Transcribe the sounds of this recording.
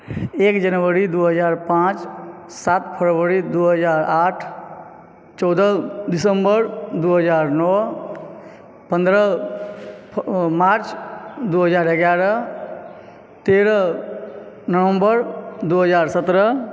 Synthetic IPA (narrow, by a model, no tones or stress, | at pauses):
ekd͡ʒənʋəɾid̪uɦəd͡ʒaːɾpãt͡ʃsat̪pʰəɾʋəɾid̪uɦəd͡ʒaːɾaːʈʰ | t͡ʃɔːd̪əd̪isəmbəɾd̪uɦəd͡ʒaːɾnɔː | pə̃nd̪ɾə | maːɾt͡ʃd̪uɦəd͡ʒaːɾeɡjaɾə | t̪eɾə | nəʋə̃mbəɾd̪uɦəd͡ʒaːɾsət̪ɾə